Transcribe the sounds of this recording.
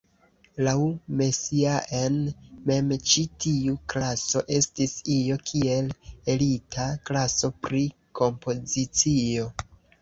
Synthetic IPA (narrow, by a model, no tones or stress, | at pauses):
lawme̞siaʔenme̞mt͡ʃitiuklaso̞ʔe̞stisijo̞kʰie̞le̞litʰaklaso̞pɾiko̞mpo̞zit͡sio̞